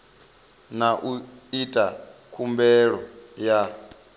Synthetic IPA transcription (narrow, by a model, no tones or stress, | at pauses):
naʔuitʼakʰumbɛɺɔja